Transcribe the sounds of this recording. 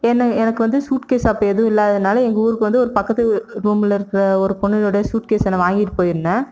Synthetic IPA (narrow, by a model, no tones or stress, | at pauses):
ɛnːɐɛnɐkːɯʋɐnd̪ɯsuːʈkeːsɐpːɐːɛðɯʋʊ̃ɪlːaːðɐðɯnaːlɐɛŋɡɐuːɾɯkːɯʋɐnd̪ɯɔɾɯpɐkːɐt̪ːɯɾuːmɪlɛɾɯkːɪɾɐɔɾɯpɔɳːɪloːɽɐɐsuːʈ̚keːsɛnːɐʋaːŋɡɪʈːpːoːjɪɾɯnːɐ